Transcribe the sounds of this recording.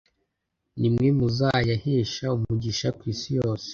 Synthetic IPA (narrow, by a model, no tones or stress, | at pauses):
nimŋemuzajahiːʃaumuɟiʃakwiːsijoːse̥